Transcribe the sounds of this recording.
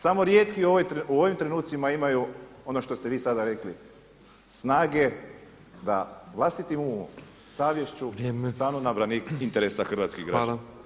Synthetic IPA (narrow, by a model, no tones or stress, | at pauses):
samo̞ɾjeːt̪kiuoʋojt̪ɾuo̞ʋimt̪ɾenuːt̪simaimajuo̞no̞ʃt̪o̞st̪eʋiːsad̪aɾe̞kli | snaːɡe̞ | d̪a̰ʋlˠast̪it̪imum | saːʋjeʃt͡ɕumst̪aːnunabɾanikint̪eɾesaxr̩ʋaːt̪skiɣɡɾa̰